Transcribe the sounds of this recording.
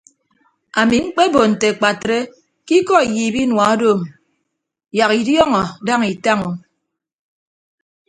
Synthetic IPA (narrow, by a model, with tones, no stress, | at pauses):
a˨mi˨ŋ͡m̩˦k͡pe˦bo˨n̩˨te˨k͡pa˨tɾe˦ | ki˦kɔ˦i˨ji˨bi˦nwa˨a˦do˦˨m | ja˨ki˨djɔ˦ŋɔ˨da˦ŋi˨ta˦ŋo˨